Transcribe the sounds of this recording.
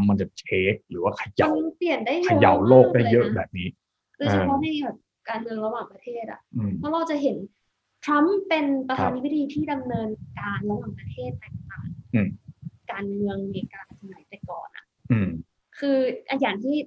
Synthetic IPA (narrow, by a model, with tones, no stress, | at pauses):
mːa˧nt͡ɕa˨˩t͡ɕʰeː˦˥k̚ɾɯː˩˦waː˥˩kʰa˧jaa˧ma˧˥pli˨˩əndaː˥˩jʰao˧˩ja̰˨˩˦wloː˥˩k̚daː˥˩jːɤ˦˥ʔbɛ̰ː˨˩p̚niː˦˥ | d̥o˧jt͡ɕʰa˧pʰɔ˦˥na˧jbɛː˨˩p̚ | kaː˧nmɯ˧əŋɾa˧waː˨˩ŋpɾa˧t̪ʰeː˥˩t̪̚ʔa̰˨˩ʔɯ˧˩pʰɔ˦˥ɾa˧wt͡ɕa˨˩ʔɦe˩˦n | t̪ʰɾa˦˥mpe˧npɾa˧t̪ʰaː˧niː˧˥˦t̚diː˧t̪ʰiː˥˩da˧mnɤː˧nkaː˧nɾa˧waː˨˩ŋpɾa˧t̪ʰeː˥˩t̪̚ːaː˨˩ŋt̪aː˨˩ŋʔkaː˧nmɯ˧əŋleː˧kaː˧na˧˩sʰa˧˩na˨˩˦jpa˧jkɔ̰ː˨˩nʔa̰˨˩ʔ | ʔɯ˧˩m | kʰɯː˧ʔa˧jaː˨˩nt̪ʰiː˥˩